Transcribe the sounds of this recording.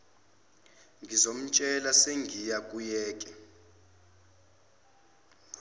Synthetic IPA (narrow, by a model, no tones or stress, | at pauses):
ŋɡʱizom̩t͡ʃʼɛlaseŋɡʱijakʼujɛːkʼɛ